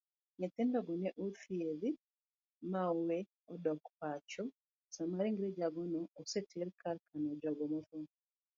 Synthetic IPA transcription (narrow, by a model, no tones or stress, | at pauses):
ɲɛt̪ɛndɔɡɔnɛʔufieði | mawe | ɔdɔkpat͡ʃɔ | samaɾiŋɡiɾɛd͡ʒaɡɔnɔːsɛtʰɛɾkʰaɾkʰanɔd͡ʒaɡɔmɔθɔ